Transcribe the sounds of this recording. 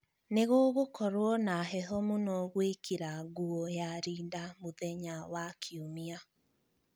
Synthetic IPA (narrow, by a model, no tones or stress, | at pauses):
neɣoːɣokɔɾwɔnaɦɛɦɔmonɔɣwekiɾaɡuɔjaɾiːndamoðɛɲawakʰiomia